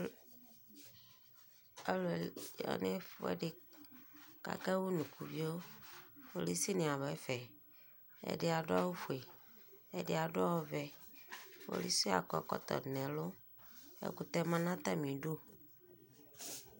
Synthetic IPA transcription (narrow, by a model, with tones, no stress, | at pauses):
e˦lo˨e˨jɔ̰˨ne˦fo˦ḛ˦ɖe˨ | ka̰˨kɛ˦wo˦nũ˨ku˨vi˦wo˦fo˨li˦si˦nẽ˨a˨βɔ˨ɛ˦fɛ˨ | ḛ˨ɖe˦a˨ɖʊ˦a˦wo˦fu˨e˨ | ḛ˦dɪ˦a˨ɖʊ˦a˦wɔ˦vɛ˨ | fo̰˦li˦si˦a̰˨kɔ˨kɔ˦t̪ɔ̰˨nɛ̃˨lʊ˦ | ḛ˦ku˨t̪ɛ˦mã˦nã˦t̪a˦mĩ˨ɖo˦